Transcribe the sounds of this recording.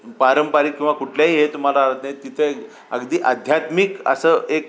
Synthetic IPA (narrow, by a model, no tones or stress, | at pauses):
paɾəmpaɾikːĩw̃ʋakuʈljaɦiːɦet̪um̤alaɦət̪najet̪ːit̪ʰe | ə̰ɡd̪iːʔad̪ʱjat̪mikə̰səʔek